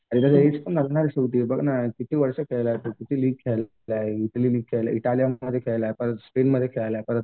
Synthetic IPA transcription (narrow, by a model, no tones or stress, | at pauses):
aɾit̪əs̬əeʈspəɳəlɳaɾiɕət̪ibəɡnakit̪ʰiːʋəɾsəkʰeɭlaɦep̪əɡkit̪ʰiliːɡ̚kʰe | aɦeiʈəliliːɡ̚kʰːeɭla̰iʈalijaəd̪ʱːjekʰeɭlaepəɾət̪spenməd̪ʱːjekʰeɭlaepəɾət̪